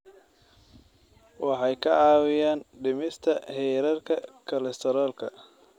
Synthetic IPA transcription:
wɑħɑjkʰɐʕɑːwɪjaːnɖɪmɪst̪ʰɐhɛːɾɐrkʰɐkʰɐlɛst̪ʰɛɾɔːlkʰɐ

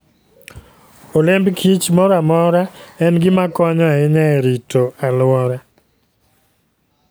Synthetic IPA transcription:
olembkʰit͡ʃmɔɾamɔɾaɛnɡɪmakɔɲɔaɪɲaɛɾitoalwɔɾa

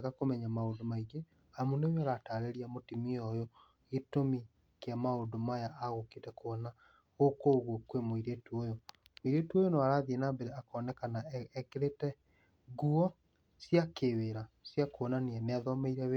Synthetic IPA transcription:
ɣakomɛɲamaondomaiɣe | amuneweɾataɾeɾiamotimiɔjo | ɣetomi | keamaodomajaʔaɣokeːtɛkoɔna | ɣokoɣwɔkwemoiɾetuojɔ | moiɾetuojonaaɾaðienaːmbeɾeakɔnɛkanaɛkeɾetɛ | ɣuɔ | sjakeweɾasjakoɔnaneɛneaðɔmeiɾɛwe

